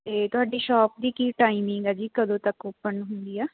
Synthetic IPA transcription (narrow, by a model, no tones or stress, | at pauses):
t̪eːt̪ʊɦaːɖiːʃɔːp̚d̪iːkiːʈaːimɪŋɡɛːd͡ʒiːkəd̪õːt̪əkoːpənɦʊnd̪iːɛː